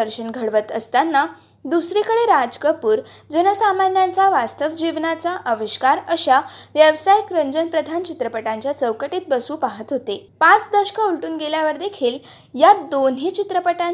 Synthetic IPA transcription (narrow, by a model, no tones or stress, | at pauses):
əɾɕənɡʱəɽʋət̪əst̪anːa | d̪usɾikəɽeɾad͡zkəpuːɾd͡zənəsamanjant͡saʋast̪əʋd͡ʑiʋnat͡saʔəʋəɕkaɾəɕaʋjəʋsajikɾəɲd͡ʑənpɾəd̪ʱant͡ɕit̪ɾəpəʈãɲt͡ɕjat͡səʋkəʈiːt̪̚bəsuːpaɦət̪ɦot̪epãt͡sd̪əɕə̥kauɭʈuːnɡeljaʋəɾd̪ekʰiːl | jad̪onɦiːt͡ɕit̪ɾəpəʈa